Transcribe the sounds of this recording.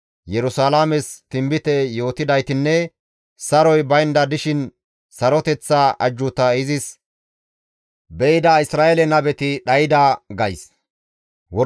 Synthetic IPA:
jɛɾʊsaːlamɛst̪ɪmbɪt̪ɛjo̞ːt̪ɪd̪ɐjt̪ɪnːɛ | sɐɾɔjbɐjnd̪ɐd̪ɪʃɪn | sɐɾɔt̪ɛt͡sːaʔɐd͡ʒːʊt̪ɐɪzɪs | bɛɪd̪aɪsɾaːʔɛlɛnɐbɛt̪ɪɗɐjɪd̪aɡɐjs | wɔ

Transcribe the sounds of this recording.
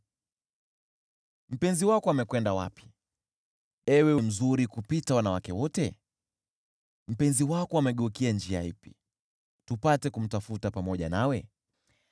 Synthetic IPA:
m̩pɛnziwakɔamɛkwɛndawa̰pi̥ | ɛwɛwɛm̩zuɾikupitawanawakɛwɔtɛ | m̩pɛnziwakɔamɛɠɔkiand͡ʒia̰ipḭ | tupatɛkum̩tafutapamɔʄanawɛ

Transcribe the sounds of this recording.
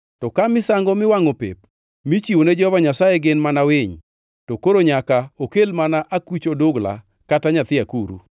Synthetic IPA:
tɔkamɪsaŋɡɔmɪwaŋopḛp̚ | mit͡ʃiwoned͡ʒɔɔvaɲasaeɡɪnmanawɪɲ | tɔkoɾoɲakaokelmanaʔakut͡ʃodoɡla̰ | kataɲat̪ɪakuɾṵ

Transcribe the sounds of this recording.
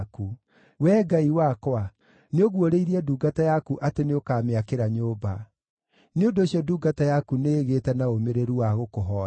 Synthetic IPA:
ku | wɛːɡaiwakwa | neoɣwoɾeiɾiɛduːɡatajakuʔateneokaːmeakeɾaɲoːba | neondoːɕjɔduːɡatajakuneːɣetɛnaomeɾeɾuwaɣokoɦɔ

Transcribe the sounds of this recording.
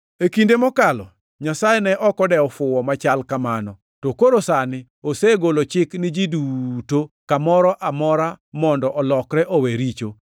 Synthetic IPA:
ekindemɔkalɔ̰ | ɲasajenɛʔɔkɔdɛɔfʊwɔmat͡ʃalkamanɔ | tokoɾosanɪ | oseɡolot͡ʃɪknɪd͡ʒidutokamɔɾɔʔamɔɾamɔndɔʔɔlɔkɾɛʔoweɾit͡ʃo

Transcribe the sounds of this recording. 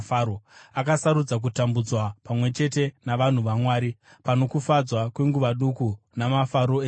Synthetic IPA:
foakasaɾud͡zak̬utambud͡zwapamwe̞t͡ʃe̞te̞naʋan̤uʋamwaːɾi | pano̞kufad͡zwakwe̞ŋɡuʋaɗuku | namafaɾoeː

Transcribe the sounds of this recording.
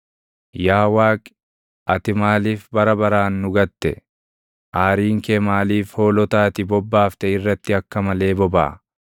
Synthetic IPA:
jaːwaːkʼ | ʔɐt̪ɪmaːliːfbɐɾɐbɐɾaːnːʊɡɐt̪ːɛ̰ | ʔaːɾiːŋkeːmaːliːfhoːlɔt̪aːt̪ɪbɔbːaːft̪ɛɪrːɐt̪ːɪɐkːɐmɐle̞ːbɔba̰ː

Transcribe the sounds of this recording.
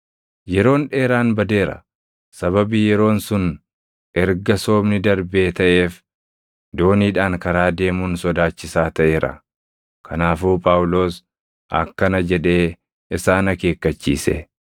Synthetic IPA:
jɛɾo̞ːnᶑe̞ːɾaːnbɐd̪e̞ːɾɐ̰ | sɐβɐbiːjɛɾo̞ːnsʊn | ɛɾɡɐso̞ːbnɪd̪ɐɾbe̞ːt̪ɐʔe̞ːf | d̪o̞ːniːᶑaːŋkɐɾaːd̪e̞ːmuːnsɔd̪aːt͡ʃːɪsaːt̪ɐʔe̞ːɾʔɐ̰ | kʰɐnaːfuːpʼaːwʊlo̞ːs | ʔɐ̰kːɐnɐd͡ʒɛᶑe̞ː | ɪsaːnɐke̞ːkːɐt͡ʃːḭːsɛ̰

